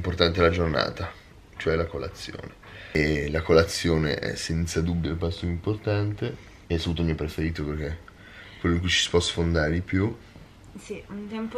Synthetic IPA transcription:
import̪ant̪̬elad͡ʒorna̰ːt̪a | t͡ʃoɛlakola̰t̪sːjo̰ːne | lakolat̪sːjoːnḛʔɛ̰sɛnt̪sad̪ubjopast̪ouimport̪ant̪e | eɛsːapuːt̪omiɛpɾefeɾiːt̪operk̟e | kːwelːoiŋkujt͡ʃi̥si̥pɔsfond̪aːɾed̪ipju | siunt̪ɛmp

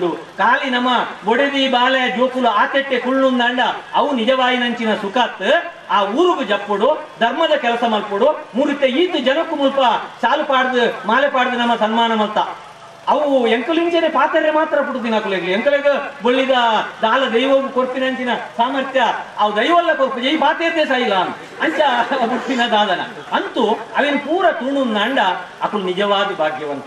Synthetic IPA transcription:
ɽu | kaːlinɐmːɐboɽed̪ibaːled͡ʒoːkuluaːt̪eʈːekuɭnund̪aːɳɖɐɐʋunid͡ʒɐʋaːjinɐɲt͡ʃinɐsukaːt̪ːɨ | aːuːɾuɡud͡ʒɐpːoɽud̪ʱɐɾmɐd̪ɐkɛlɐsɐmɐlpoɽumuːɾit̪ːeiːt̪ud͡ʒɐnɐkːumulpɐt͡ʃaːlupaːɽɐd̪umaːlepaːɽd̪ɐnɐmːɐsɐnmaːnɐmɐlt̪ːɐ | ɐʋueŋkɐliɲt͡ʃenepaːt̪ɐɾemaːt̪ɾɐpuʈud̪inɐkuleɡlieŋkɐleɡɐboɭːid̪ɐd̪aːlɐd̪ɐjʋɐɡukoɾpinɐnt̪inɐsaːmɐɾt̪jɐːʋd̪ɐjʋɐlːɐkoɾpɐd͡ʒɐjipaːt̪eːt̪esaːjilaːn | ɐɲt͡ʃɐbuɽp̪ːinɐd̪aːd̪ɐnɐ̰ | ɐnt̪uɐʋenupuːɾɐʈuːɳunːɐːɳɖɐ | ɐkuɭnid͡ʒɐʋaːd̪ibʱaːɡjɐʋɐnt̪i

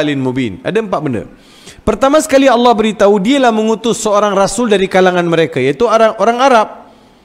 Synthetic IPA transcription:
lɪnmobina̰daəmpaʔbəndə̰r | pərt̪amasə̥kaliɑlːɑhbəɾit̪audialahməŋut̪ʊsːəoɾaŋrasʊldaɾikalaŋanməɾekajait̪uʔoɾaŋaɾap̚

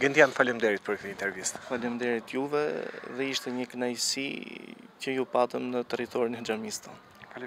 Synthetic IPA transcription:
ɡənd̪ianfalɛmd̪ɛɾit̪̚pəɾk̚t̪əint̪ɛɾvist̪faləmd̪ɛɾit̪juvɛ̰ðɛiʃt̪ɛɲəknajsḭ | cəjupat̪əmnət̪ɛrit̪ɔɾinɛd͡ʒamist̪an

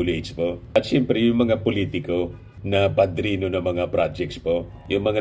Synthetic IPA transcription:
ʊlɛspoʔɐt̪ʃɛmpɾɛjʊŋmɐŋapʊliːt̪ɪko | nɐbɐd̪ɾiːnonɐŋmɐŋapɾad͡ʒɛk̚t̪spo̞ | jʊŋmɐŋa

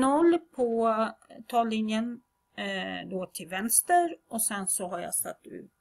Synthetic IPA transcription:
nɔlːpʰɔ | t̪ʰɑːlːɪnjən | d̪oːt̪ʰɪlvɛnst̪əɾɔsɛnsɔɦaɾja̰sa̰t̪ːʉ̟̰ː

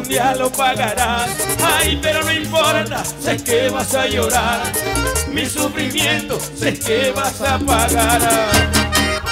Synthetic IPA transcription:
nd̪jalopaɣaɾasajpeɾonoimpoɾt̪asekeβasajoɾaɾmisufɾimjẽnt̪o | sekeβasapaɣaɾa

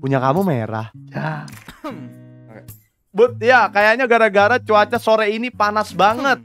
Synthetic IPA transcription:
puɲakamumeɾa̰ha | bʊt̪̚jakajaɲaɡaɾaɡaɾat͡ʃuat͡ʃasoɾɛinipanasbaŋət̪̚

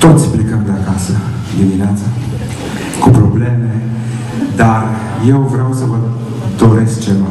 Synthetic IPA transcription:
t̪ot̪sʲplekəmd̪lakasə | d̪imineat̪sa | kupɾobleme | d̪ar | jewvɾeawsəvə | d̪oɾes̚t͡ʃema

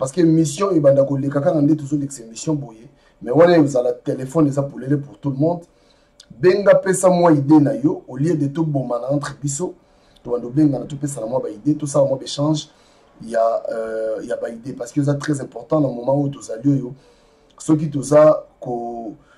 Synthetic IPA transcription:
pasə̥kemisjɔ̃ebandakolekakakandetozoleksemisjɔ̃boje | mɛwanaozalatelefɔnezapolelepuʁtuləmɔ̃d | beŋɡapesamwaidenajɔoliedetobomanaɑ̃tʁebis̬o | tobandakobeŋɡanatopes̬anamwabaidetosalamwabeʃɑ̃ʒ | ja | jabaidepasə̥kezatʁɛzɛ̃pɔʁtɑ̃namomɑ̃ojot̬ozaliojɔ | sok̬itozako

